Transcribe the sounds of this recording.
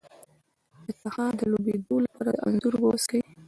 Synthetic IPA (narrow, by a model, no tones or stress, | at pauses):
ət̪axɑd̪əlobed̪olapɑɾaʔa̰nzuɾboskawi